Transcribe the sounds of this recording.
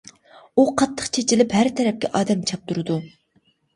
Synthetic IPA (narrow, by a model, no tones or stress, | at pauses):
uqʰɑt̪ʰːə̥qt͡ʃʰet͡ʃʰilɪphæɾt̪ʰɛɾɛp̚kʲɛ̰ʔɑːd̪ɛmt͡ʃʰɑp̚t̪ʰuɾɨd̪u